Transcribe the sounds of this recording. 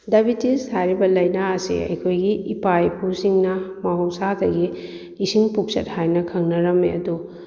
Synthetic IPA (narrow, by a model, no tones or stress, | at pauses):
dɐbitishajɾibɐlɐjnaɐsḭɐ̰jkʰojɡiːpajpʰusiŋnɐmɐɦowsadɐɡiː | siŋpuk̚sɐt̚hajnɐkʰɐŋnɐɾɐmːḭɐ̰du